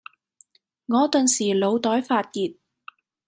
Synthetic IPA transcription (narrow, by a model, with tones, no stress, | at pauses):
ŋɔː˨˧t̪ɵ˨nsiː˨˩lo˨˧wt̪ɔː˨˥jfaː˧t̚kiː˨t̚